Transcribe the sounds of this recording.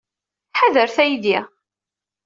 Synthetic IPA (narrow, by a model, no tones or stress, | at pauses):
ħaðəɾθæjd̪jæ